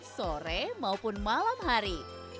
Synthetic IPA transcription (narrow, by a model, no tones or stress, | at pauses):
soɾemaupʊnmalamɦaɾi